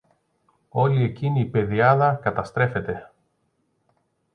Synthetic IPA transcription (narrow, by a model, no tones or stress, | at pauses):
o̞lie̞ciniːpe̞ðiɐðɐkɐt̪ɐst̪ɾe̞fe̞t̪e̞